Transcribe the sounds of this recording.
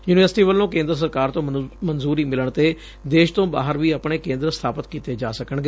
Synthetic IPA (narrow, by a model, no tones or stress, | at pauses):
juːnɪʋəɾsʈiːʋəlːõːkẽːnd̪ɾəs̬əɾkaːɾt̪õːmənzuːɾiːmɪləɳt̪eː | d̪eːʃt̪õːba̰ːɦəɾʋiːəpɳeːkẽːnd̪ɾəsə̥t̪ʰaːpət̪kiːt̪eːd͡ʒaːsəkəɳɡeː